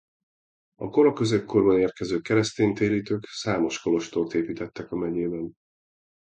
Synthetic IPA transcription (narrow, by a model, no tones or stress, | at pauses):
ɒko̞ɾɒkø̞zekko̞rbɒneːrkɛzøːkɛɾɛst̪eːnt̪eːɾiːt̪øːksaːmo̞ʃko̞lo̞ʃt̪oːt̪eːpiːt̪ɛt̪ːɛkɒmɛɟeːbɛn